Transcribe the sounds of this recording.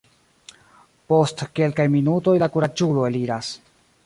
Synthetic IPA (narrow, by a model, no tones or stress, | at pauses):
po̞stke̞lkajminuto̞jlakuɾad͡ʒulo̞e̞liɾas